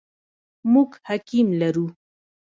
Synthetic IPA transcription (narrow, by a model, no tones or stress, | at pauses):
muɡhakimlaɾu